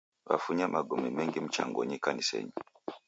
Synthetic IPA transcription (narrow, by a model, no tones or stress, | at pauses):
βafuɲamaɡɔmimɛŋɡim̩t͡ʃaŋɡɔɲikanisɛ̰ɲi